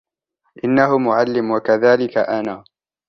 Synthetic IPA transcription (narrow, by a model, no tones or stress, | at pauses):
ʔɪnːaɦʊmʊʕalːɪmwakaðaːlɪkaʔanaː